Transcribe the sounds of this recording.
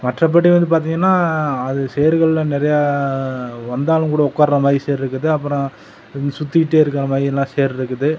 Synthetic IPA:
mɐʈrɐp̬ːɐʈːiʋɐnd̪ɯp̬aːɾt̪̬iːŋɡɐnːaːɐðɯsɛjɐɾɣɐɭɪlɐnɪɾɐjaː | ʋɐnd̪aːlɯ̃kuːɽɐɔkːaːɾɾɐmaːðɾiseːɾɪɾɯkːɐðɯɐpːɯɾõ | sʊt̪ːɪɪʈːeːɪɾɯk̬ːɪɾɐmaːðɾiɛlːãːseːɐɾɪɾɯkːɐðɯ

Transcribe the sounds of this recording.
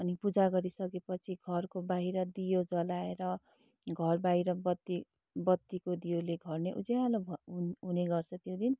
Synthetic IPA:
ʌnipud͡zaɡʌɾisʌkepʌt͡sʰiɡʱʌrkobaɦiɾʌd̪ijod͡zʌlaeɾʌ | ɡʱʌrbaɦiɾʌbʌt̪ːi | bʌt̪ːikod̪ijoleɡʱʌrneʔud͡zealobɦuneɡʌrt͡sʰʌt̪jod̪in

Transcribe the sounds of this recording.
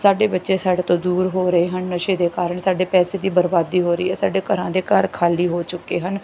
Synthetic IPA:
saːɖeːbətːʃeːsaːɖeːt̪õːd̪uːɾɦoːɾəeːɦənnəʃeːd̪eːkaːɾəɳsaːɖeːpɛːseːd̪iːbəɾbaːd̪iːɦoːɾḭːɦɛːsaːɖeːkəɾãːd̪eːkəɾkʰaːliːɦoːt͡ʃʊkeːɦən

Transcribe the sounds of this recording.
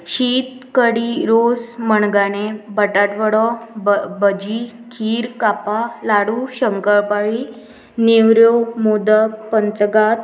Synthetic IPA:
ɕiːt̪ | kəɽiɾosməɳɡaɽ̃ebəʈaʈʋəɽɔbbəd͡ʑikʰiːɾkapalaɽuɕəŋkəɭpaɭi | newɾjomod̪əkpənt͡səɡat̪

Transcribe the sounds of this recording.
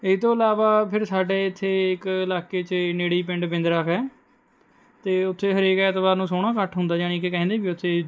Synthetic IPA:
ɪst̪õːəlaːʋaːpʰɪɾsaːɖeːɪt̪ʰːeːɪkɪlaːkeːt͡ʃneːɽiːpɪ̃ɳɖpɪ̃nd̪ɾəkʰɛː | t̪eːʊt̪ʰːeːɦəɾeːkɛːt̪baːɾnũːsoːɽ̃aːkəʈɦʊnd̪aːd͡ʒaːɽ̃iːkekɛ̃ːnd̪eːbiːʊt̪ʰːeː

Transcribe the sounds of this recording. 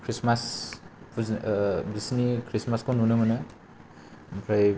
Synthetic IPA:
kʰɾismas | disnikʰɾismaskonunɯmɯnɯ | pʰɾaj

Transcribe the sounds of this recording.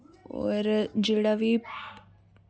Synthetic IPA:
o̰ɾɨd͡ʒiɽɐʋip

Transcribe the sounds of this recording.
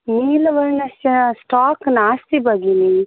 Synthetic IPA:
niːlɐʋɐɾnɐsɐsʈaːknaːst̪ibɐɡini

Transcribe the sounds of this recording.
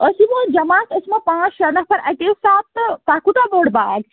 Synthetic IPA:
əsimod͡ʒɐmaːk̪əsmɐ̃pãːt͡ʃɾɐnɐɦpʰɐɾɐkesaːt̪̚t̪t̪aːkut̪aboːɽbaːɡ̚

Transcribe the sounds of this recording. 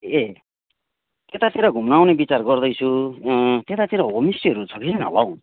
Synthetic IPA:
e | t̪et̪at̪ʰiɾʌɡʱumnawnebit͡sarɡʌrd̪ʌjt͡sʰu | t̪et̪at̪ʰiɾʌɦomisiɦʌɾut͡sʰʌkininɦʌ̰law̃

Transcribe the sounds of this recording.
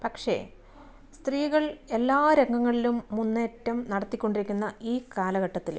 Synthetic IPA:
pɐkʂe̞̰ | st̪riːɣɐɭe̞lːaːɾeŋɡɐŋːɐɭilumːunːe̞ːtːɐmnɐɽɐt̪ːikʲːo̞ɳɖiɾikʲːunːɐiːkaːlɐɣɐʈːɐt̪ːil

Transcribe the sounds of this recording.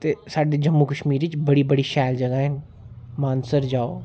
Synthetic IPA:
t̪esaːɖed͡ʒɐmːukəʃmiːɾit͡ʃbɐɽibɐɽiʃɛːld͡ʒɐɡaɦɛ̃ | maːnsəɾd͡ʒaːoː

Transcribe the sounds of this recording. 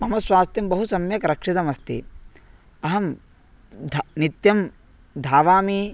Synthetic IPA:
mɐmɐsʋaːst̪jɐmbɐɦusɐmjɐkɐɾɐkʂit̪ɐmɐst̪ḭ | ɐɦɐm | d̪ʱnit̪jɐm | d̪ʱaːʋaːmi

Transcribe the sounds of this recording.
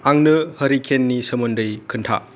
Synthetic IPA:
aŋnɯhɐɾikʰenːisɐmɐndɯjkʰɯntʰa̰

